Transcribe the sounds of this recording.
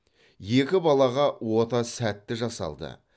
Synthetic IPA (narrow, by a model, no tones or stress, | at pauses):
je̞kʲɪbɑlˠɑʁɑwo̞t̪ɑsæt̪ːɪʒɑsɑ̰lˠd̪ə̰